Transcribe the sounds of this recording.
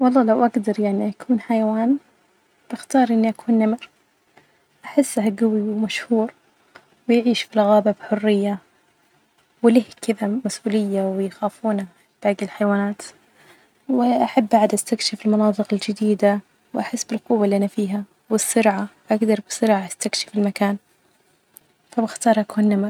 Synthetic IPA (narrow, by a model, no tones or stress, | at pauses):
wɑlˤːɑːlawʔaɡd̪ɑɾˤjaʕniʔakʰuːnħajawaːn | b̥ɪxt̪ɑːɾˤʔɪnːiʔakʰuːnːamɪɾ | ʔaħɪsːaɦaɡawiwmaʃhuːɾ | wɪjʕiːʃfilɣaːbabħʊrːɪjːa | wɪlɪhkɪðamasʔuːlɪjːawɪjxaːfuːna | b̥aːɡɪlħajwaːnaːt̪ | wɪʔaħabːaʕd̪ʔast̪akʃɪfɪlmɑnɑːt̪ˤɨqɪld͡ʒɪd̪iːd̪a | wʔaħɪsːbɪlqʊwːalːiʔanːafiːɦa | wɪsːʊɾʕaʔaɡd̪ɑɾˤbɪsʊɾʕaʔast̪akʃɪ̥fɪlmakaːn | fabɪxt̪ɑːɾˤʔakuːnːamɾ